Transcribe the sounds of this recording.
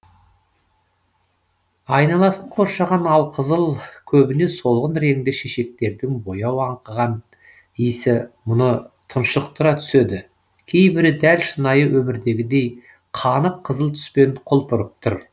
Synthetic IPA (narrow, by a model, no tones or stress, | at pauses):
ɑjnɑlˠɑsəɴqʰo̞ɾʃɑʁɑnɑlˠqʰəzəlˠkʲʰɵbɪne̞so̞lˠʁənɾe̞ŋd̪ɪʃeʃe̞k̚t̪e̞ɾd̪ɪŋbo̞jɑwɑɴqəʁɑn | ijsɪmʊnət̪ʰʊnʃəq̚t̪əɾɑt̪ʰʏ̥se̞d̪ɪ | kʲʰe̞jbɪɾɪd̪ælʃənɑjəwʔɵmɪɾd̪e̞ɡʲɪd̪ej | qʰɑnəqʰːəzəlˠt̪ʰʏ̥spe̞nqʰʊlˠpʊɾəp̚t̪ʰʊɾ